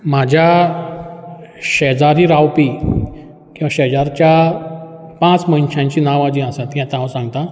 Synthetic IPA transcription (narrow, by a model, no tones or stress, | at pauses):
mad͡ʑʱja | ɕed͡zaɾiɾawpi | kĩwʋaɕed͡zaɾt͡ɕja | pãt͡sməinɕãɲt͡ɕiːnaʋad͡ʑĩasãt̪ɦãt̪ãwsãŋɡt̪a